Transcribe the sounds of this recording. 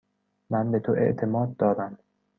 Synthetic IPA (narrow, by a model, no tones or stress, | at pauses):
mænbe̞t̪ʰoʔe̞̰ʔt̪ʰe̞mɒːd̪̚ːɒːɾæm